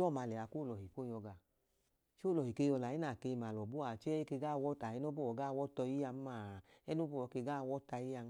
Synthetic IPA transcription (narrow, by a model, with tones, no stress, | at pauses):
ɔ˦˨ma˨˧˨lɛ˨a˨ko˦˨lɔ˨ɦi˨ko˦˨jɔ˧ɡa˧˨ | t͡ʃo˦˨lɔ˨hi˨ke˧jɔ˧la˨i˦na˨ke˧m˨a˨lɔ˨bu˦a˨t͡ʃɛ˦ke˧ɡa˦˨˧wɔ˦ta˨i˦no˦bo˦wɔ˨˦ɡa˦˨wɔ˦tɔ˧i˦ja˧m˦ma˨ɛ˦no˦bo˦ɔ˨˧˦ke˧ɡa˦˨˧wɔ˦ta˧ji˦a˧˦